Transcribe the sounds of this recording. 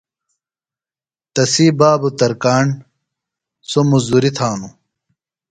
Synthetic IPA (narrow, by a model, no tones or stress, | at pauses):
t̪ɐsiːbaːbut̪ɐɾkaːɳ | somuzd̪uɾit̪ʰaːnu